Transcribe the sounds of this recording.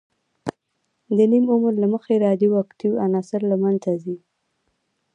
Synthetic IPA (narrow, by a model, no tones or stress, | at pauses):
d̪ənimʊmɾlaməxeɾɑd̪iwakt̪iwanɑsɪɾlamanazi